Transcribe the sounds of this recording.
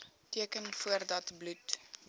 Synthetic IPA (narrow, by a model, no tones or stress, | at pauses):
tiəkənfuərdɐtblut